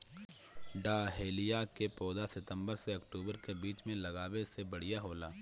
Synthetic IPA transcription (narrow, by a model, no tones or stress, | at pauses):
ɖaːɦeːlijakepɔːd̪asɪt̪ə̃mbəɾseɐkʈuːbəɾkebiːt͡ʃmẽlɐɡaːbesebɐɽ̤ijaɦoːlaː